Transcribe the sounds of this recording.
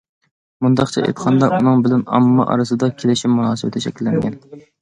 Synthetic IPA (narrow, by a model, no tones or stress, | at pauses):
mund̪ɑχt͡ʃʰɛʔḛt̪ʰə̥qʰɑnd̪ɑʔunɨŋbɪlɛnɑ̰mːɑ̰ʔɑ̰ɾɨsɨd̪ɑkʲʰelɪʃɪmunɑːsɨwɪt̪ʰɪʃɛkʲlːɪŋɡʲɛn